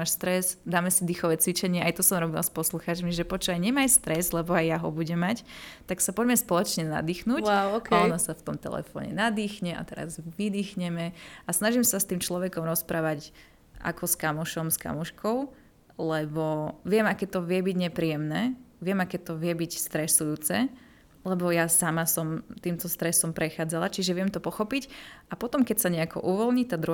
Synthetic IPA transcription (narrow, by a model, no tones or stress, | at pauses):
aːʃst̪ɾɛzd̪aːmɛsid̪ixɔʋɛːt͡sʋit͡ʃɛɲɪɛʔajt̪ɔsɔmɾɔbila̰spɔsluxaːt͡ʃmiʒɛpɔt͡ʃɔajɲɛmajst̪ɾɛzlɛbɔajjaɦɔbuɟɛmact̪aksapɔɟmɛspɔlɔt͡ʃɲɛna̰d̪iːxnuːwawkaɔnɔsaft̪ɔmt̪ɛ̰lɛ̰fɔ̰ːɲɛ̰nad̪iːxɲɛʔa̰t̪ɛɾa̰zʋid̪iːxɲɛmɛasnaʒimsast̪iːmt͡ʃlɔʋɛkɔmɾɔspɾaːʋac | ʔa̰kɔskamɔʃɔmska̰muʃkʰɔʊ | lɛbɔʋɪɛmakɛːt̪ɔʋɪɛbiɟɲɛpɾiːjɛmnɛːʋɪɛmakɛːt̪ɔʋɪɛbicst̪ɾɛsujuːt͡sɛ | lɛbɔjasamasɔmt̪iːmt̪ɔst̪ɾɛsɔmpɾɛxaːd͡zalat͡ʃiʒɛʋɪɛmt̪ɔpɔxɔpicapɔt̪ɔmkɛcsaɲɛakʰɔ̰ʔuʋɔlɲit̪ad̪ɾu